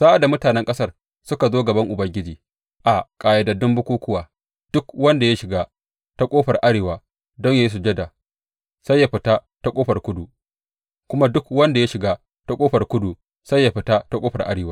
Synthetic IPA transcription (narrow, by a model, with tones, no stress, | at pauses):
sa˦ʔa˨da˨mʊ˦taː˨nɛ˦ŋkʼɐ˦sɐ˦˨r | sʊ˦ka˨zoː˦ɡɐ˨bɐ˦ŋʔʊ˨bɐ˦ŋɡʲɪ˦d͡ʒiː˨ | ʔa˨kʼaː˨ja˨da˨dʊ˦mbʊ˦kʷuː˦kʷʊ˦waː˨ | d̥ʊ˦kwɐ˦nda˨ja˦ʃɪ˨ɡaː˦ | ta˦kʷʼoː˦ɸɐ˨rʔa˦ɽeː˨waː˨ | dɔ˦ɲja˦ji˦s̬u˨d͡ʒɛ˦da˨ | sa˦jːa˦ɸɪ˨taː˦ | ta˦kʷʼoː˦ɸɐ˨rkʷʊ˦du˨ | kʷʊ˦ma˦dʊ˦kwɐ˦nda˨ja˦ʃɪ˨ɡaː˦ | ta˦kʷʼoː˦ɸɐ˨rkʷʊ˦du˨ | sa˦jːa˨ɸɪ˨taː˦ta˦kʷʼoː˦ɸɐ˨rʔa̰˦ɽeː˨waː˦